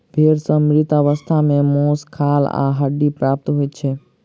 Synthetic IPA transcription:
bʱeːɾsəmɾɪt̪əʋəst̪ʰamẽmoːskʰala̰ɦəɖipɾaːp̚t̪ɦojt͡ʃʰe

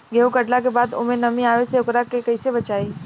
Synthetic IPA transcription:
ɡʱeukəʈlakebaːd̪o̰mẽnəmĩaːʋeseʊkɾakekəɪsebət͡ʃaːei

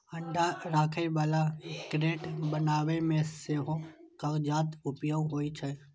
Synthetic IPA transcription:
ɐ̃ɳɖʱaɾaːkʰəibaːlakɾeːʈbɐnaːʋemẽseːɦõkɐʋd͡ʒaːt̪ʊpjoːɡɦoːit͡ʃʰə

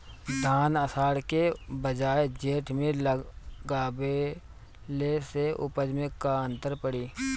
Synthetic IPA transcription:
d̪ʱaːnəsaːɽkebəd͡ʒaːed͡ʒeːʈʰmẽlɡaːbe | leseʔʊ̰pəd͡ʒmẽkaə̃nt̪əɾpəɽiː

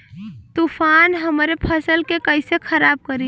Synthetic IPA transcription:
t̪upʰanɦəmɾepʰəsəlkekəɪsekʰəɾab̚kəɾi

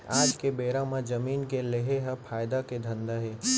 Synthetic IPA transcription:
aːd͡ʒkebeːɾãmãd͡ʒɐmiːnkeleɦeɦɐpʰaːjd̪aked̪ʱɐ̃nd̪aɦeː

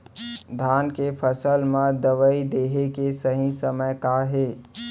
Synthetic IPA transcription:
d̪ʱaːnkepʰəsəlmə̃d̪əʋəid̪eːɦekesəɦĩsəməjkaɦeː

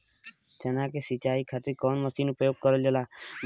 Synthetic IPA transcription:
t̪ʰenakesit͡ʃaikʰat̪iɾkɔnməsinupɔjoɡ̚kɔɾɔld͡ʒela

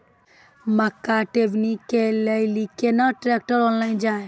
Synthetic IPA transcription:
mɐkːaʈeʋnikːeləjlikenəʈɾek̚ʈəɾɔːnlaːind͡ʒaːe

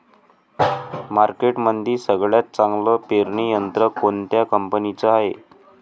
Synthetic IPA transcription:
maɾkeʈmənd̪ʱiːsəɡɭjat̪̚t͡saŋɡləpeɾɳijənt̪ɾəkont̪jakəmpənit͡səaɦḛ

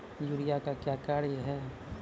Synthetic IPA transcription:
juːɾijakakjaːkaːɾɦɛː

